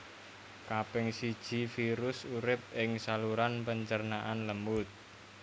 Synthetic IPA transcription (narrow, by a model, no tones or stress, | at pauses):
kapɪŋsid̥ʒ̥i̤fiɾʊsuɾɪp̚ɪŋsaluɾanpəɲt͡ʃərnaʔanləmbʊt̪̚